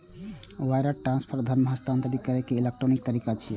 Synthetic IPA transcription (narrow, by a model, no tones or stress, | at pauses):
wajɾəʈɾãnspʰəɾd̪ʱəɾnməɦəst̪ʰãnt̪əɾikəɾekeilek̚ʈɾonik̚t̪əɾikat͡ʃʰi